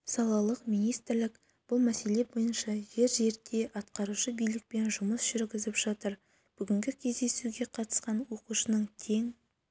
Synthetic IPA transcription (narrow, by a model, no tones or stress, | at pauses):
sɑlˠɑlˠəqmijnijst̪ɪɾlɪk | b̥ʊlˠmæse̞le̞bo̞jənʃɑʒe̞ɾʒe̞ɾd̪e̞ʔɑt̪qɑɾuʃəbijlɪk̚pe̞nʒʊməsʒ̥ʏɾɡʲɪzɪpʒ̥ɑt̪əɾ | b̥ʏɡʲɪŋɡʲɪkʲʰe̞zd̪e̞suɡʲe̞qʰɑt̪ə̥sqɑnwo̞quʃənəɴt̪ʰe̞ŋ